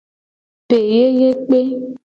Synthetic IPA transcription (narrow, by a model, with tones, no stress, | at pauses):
pe˨je˦je˦k͡pe˦